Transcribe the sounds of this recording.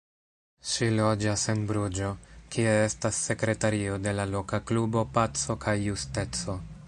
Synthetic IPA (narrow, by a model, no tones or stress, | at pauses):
ʃilo̞d͡ʒase̞nbɾud͡ʒo̞kie̞e̞stasːe̞kɾe̞taɾio̞de̞lalo̞kaklubo̞pat͡so̞kʰajːuste̞t͡so̞